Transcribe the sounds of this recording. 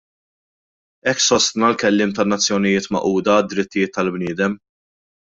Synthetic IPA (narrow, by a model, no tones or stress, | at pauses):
ɛkːsɔst̪nɐlkɛlːɪːmt̪ɐnːɐt͡sːjɔnɪjɪːt̪mɐ̰ʔuːd̪ɐːd̪ːɾɪt̪ːɪjɪːt̪ːɐlbnɪːd̪ɛm